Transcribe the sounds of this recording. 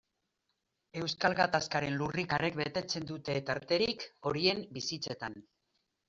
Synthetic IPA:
e̞wskalɣat̪askaɾe̞nlurikarekbe̞t̪e̞t͡se̞nd̪ut̪e̞t̪aɾt̪e̞ɾiko̞ɾie̞mbisit͡se̞t̪an

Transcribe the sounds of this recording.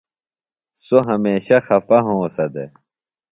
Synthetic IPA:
soɦɐmeːɕɐxɐfɐɦõːsɐd̪e

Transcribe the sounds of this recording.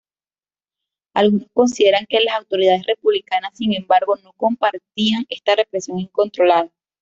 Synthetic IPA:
alɣuno̞sko̞nsiðe̞ɾaŋke̞lasawt̪o̞ɾiðað̞e̞sre̞puβlikanasːiŋẽ̞mbaɾɣo̞no̞ko̞mpaɾt̪iaŋe̞st̪are̞pɾe̞sjo̞ŋiŋko̞nt̪ɾo̞laða

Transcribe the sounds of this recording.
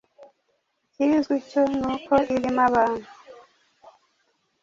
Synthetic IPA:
cizɡiconuːkʰoiɾimaβaːnu

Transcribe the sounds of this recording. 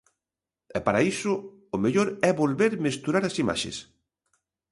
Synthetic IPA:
ɛpaɾaisʊ | ʊmeʎoɾɛβolβeɾmest̪uɾaɾɐsima̰ʃḛs

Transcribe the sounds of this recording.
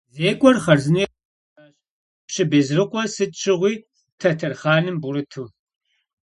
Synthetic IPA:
zeːkʷʼɔrχɐrzɨni | aːɕ | pɕɪbeːzrɨqʷɔsɨtʼt͡ʃʰʼɪʁʷiː | tʰɐtʰɐrχɑːnɨmbuɾɨtʰuː

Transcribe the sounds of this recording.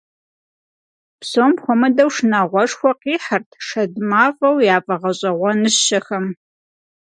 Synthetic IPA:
psoːmxʷɔmɐdɐwʂnaʁʷɔʂxʷɔqiːħartʰʂɐdmaːfʼɐwjaːpʼɐʁɐɕʼɐʁʷɔnɨɕɐxɐm

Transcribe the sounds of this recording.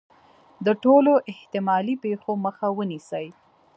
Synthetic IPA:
d̪əʈoloʔɪht̪ɪmɑlipexoməxawənisəj

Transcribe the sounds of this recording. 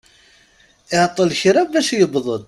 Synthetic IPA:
ɪʕt̪ˤːəlçɾæbːæʃjəbðˤəd̪ˤ

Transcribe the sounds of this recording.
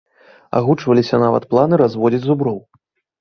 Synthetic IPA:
a̰ɣut͡ʂvɐlʲisʲɐnavɐ̰t̪plˠanɨɾazvɔd͡zʲid͡zʲzubɾɔw

